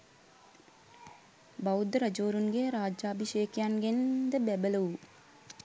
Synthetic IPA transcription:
bɐwd̪ɾɐd͡ʒoːɾunɡeɾaːd͡ʒaːbʱiʃeːkjanɡend̪əbæbələu

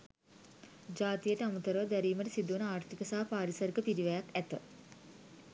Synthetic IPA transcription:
d͡ʒaːt̪ijəʈəamut̪əɾəʋəd̪æɾiːməʈəsid̪uunəaːrt̪ikəsaɦpaːɾisɐɾɡəpiɾiʋɛjakæt̪ə

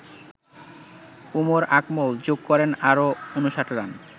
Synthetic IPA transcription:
umoɾakmold͡ʑoɡ̚kɔɾenaɾoonuʃaʈɾan

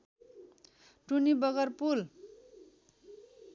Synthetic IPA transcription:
ʈunibʌɡʌrpul

